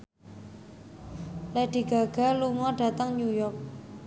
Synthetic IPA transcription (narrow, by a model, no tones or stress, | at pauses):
laɖ͡ʐiɡaɡaloŋɑɖ͡ʐat̪aŋɲujɔk̚